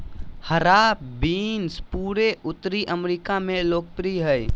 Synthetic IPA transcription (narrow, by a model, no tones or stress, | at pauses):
həɾapbinspuɾeʔut̪ːɾiʔəmɾikameloːk̚pɾiɦəj